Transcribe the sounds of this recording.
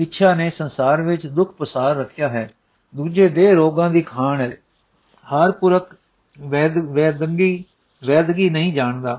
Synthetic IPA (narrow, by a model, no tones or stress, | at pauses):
ɪtːʃʰaːneːsənsaːɾʋɪt͡ʃd̪ʊkʰpəsaːɾːəkʰɪjaːɦɛː | d̪uːd͡ʒeːd̪eːɾoːɡãːd̪iːkʰaːnɛː | həɾpʊɾək̪ː | ʋɛːd̪əŋɡiː | ʋɛːd̪ɡiːnəɦĩːd͡ʒaːɳd̪aː